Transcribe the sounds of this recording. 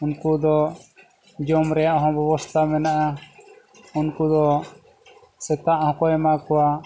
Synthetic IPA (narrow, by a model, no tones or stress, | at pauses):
unkud̪ɔ | d͡ʒɔmɾɛjaʔɦɔ̃bɛbɔst̪ʰamɛnaʔa | unkud̪ɔ | sɛt̪aʔhɔ̃kɔjɛmakɔwa